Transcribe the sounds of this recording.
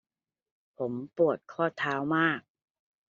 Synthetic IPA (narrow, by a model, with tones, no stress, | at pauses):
pʰo˩˦mpu˨˩ət̪̚kʰɔː˥˩t̪ʰaː˦˥wmaː˥˩k̚